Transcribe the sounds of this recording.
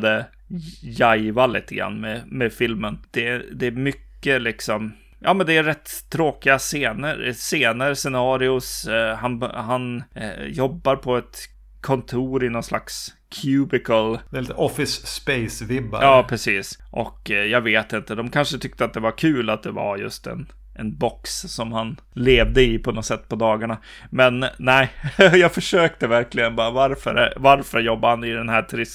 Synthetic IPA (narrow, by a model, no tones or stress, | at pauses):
d̪ə | jajvalḭːt̪əɡɾa̰nːmɛmɛfɪlmənd̪̥ɛd̪ɛːmʏkːəlɪksɔm | jʔɑ̰ːmɛnd̪ɛæɾɾɛt̪ʰːɾoːkɪɡaseːnəɾseːnəɾsɛnɑːɾɪʊsɦanɦanjɔbːaɾpʰɔɛt̪ | kʰɔnt̪ʰuːɾɪnɔnsla̰ks | kʰjʉːbɪkəld̪lit̪əʔɔfɪsːpeɪsvɪbːa̰ɑːpʰɾɛsiːsʔɔ̰kjɑːɡveːt̪ɪnt̪əd̪ɔmkʰanʂət̪ʰʏk̚t̪əat̪̚d̪ɛvaɾkʰʉ̟ːlat̪̚d̪ɛva̰ɾjɵ̰st̪ɛ̰n | ʔɛnbɔkssɔmhan | leːvd̪əɪpʰɔnɔt̪sɛt̪ːpʰɔd̪ɑːɡaɳa | mɛnːæɪjɑːɡfœʂøːk̚t̪əvæɾklɪɡənbɑːɾavaɾfə̰ɾɛvaɾfœɾjɔbːaɾhanɪd̪ɛnɦæːʈ̪ʰɾɪs